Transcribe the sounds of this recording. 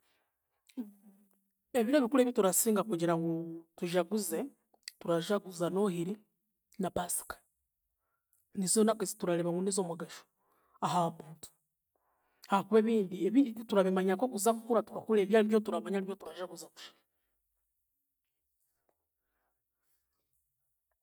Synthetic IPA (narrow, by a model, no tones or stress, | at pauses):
eβiɾeβikule̞βjituɾasiːŋɡakuɟiɾaŋɡutuʒaɡuze | tuɾaʒaɡuzano̞hiɾi | napasi̥kḁ | nizonakezituɾaleβaŋɡunizoːmaɡaʃo̥ | ahaβuːntu̥ | hahakuβeːβiːndieβituɾaβimaɲakokuzakukuɾatuɾakuleβjaːliβjo̞tuɾaβaɲaliβjotuɾaʒaɡuzaku̥ʃi̥